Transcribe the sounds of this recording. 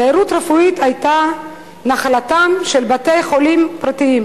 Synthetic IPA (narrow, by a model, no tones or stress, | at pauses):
aiɾutʁefuitajta | naχlatamʃelbatejχo̞limpʁatiim